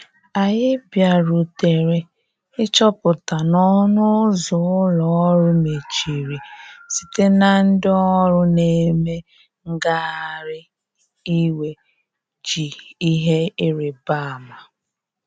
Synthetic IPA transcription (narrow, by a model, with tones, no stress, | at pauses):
a˨jɪ˦bja˨ɾu˨te˨ɾe˨ | ɪ˦t͡ʃɔ˦pʊ˨ta˨nɔ˦nʊ˦zʊ˨ʊ˦lɔ˨˦ɾʊ˦me˨t͡ʃi˨ɾi˨si̥˨te˦na˨n̩˦dɪ˦ɔ˦ɾʊ˦ne˦me˦ | ŋ̩˦ɡa˦a˦˨ɾɪ˦ | i˦we˨ | t͡ʃi˨i˦ɦe˦ɪ˦ɾɪ˨ba˦˨ma˨